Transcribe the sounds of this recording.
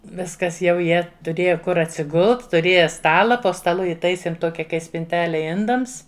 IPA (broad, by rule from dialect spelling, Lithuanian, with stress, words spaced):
ˈʋʲɪskɐs jɛʊ ˈjiɛ tʊˈrʲeːjɛ ˈkʊr ɐtʲsʲɪˈɡʊlˠt tʊˈrʲeːjɛ ˈstɑːlˠɐ poː stɐˈlˠʊ ɪˈtɐɪsʲeːm ˈtoːkʲɛ ˈkɐɪ sʲpʲɪnʲˈtʲæːlʲɛ ˈɪndɐms